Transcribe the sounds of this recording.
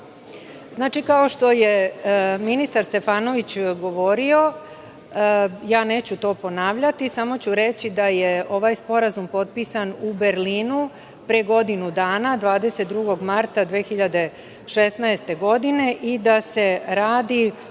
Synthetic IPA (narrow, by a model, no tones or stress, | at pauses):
znaːt͡ʃikao̞ʃt̪o̞jeminist̪aɾst̪e̞faːno̞ʋit͡ɕɡo̞ʋo̞ɾio̞ | jaːne̞ːt͡ɕut̪o̞ːpo̞naːʋʎat̪isamo̞t͡ɕuɾe̞t͡ɕid̪aje̞o̞ʋajspo̞ɾazumpo̞t̪̚piːsanube̞ɾliːnu | pɾeɡo̞d̪inud̪aːnad̪ʋaːd̪e̞se̞t̪̚d̪ɾuɡo̞ɡmaɾt̪ad̪ʋeːxiʎad̪e̞ | ʃe̞snaest̪e̞ɡo̞d̪ine̞ʔid̪ase̞ɾaːd̪i